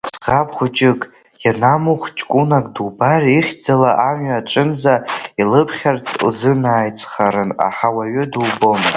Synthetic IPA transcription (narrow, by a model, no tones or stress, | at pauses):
sqapʰχʷʊt͡ʃʼɪkʼ | janamuχʷt͡ʃʼkʷʼunakʼdubariχʲd͡zalaʔaɲɥaʈ͡ʂʼɨnzailɨpʰχʲart͡sʰʼlzɨnaːjt͡sʰʼχaɾɨna̰ħawaɥʏduwbon